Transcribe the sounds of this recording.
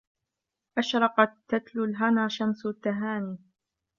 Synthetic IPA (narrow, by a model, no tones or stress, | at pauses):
ʔaʃɾˤɑqɑt̪ːat̪lʊlɦanaːʃamst̪ːaɦaːniː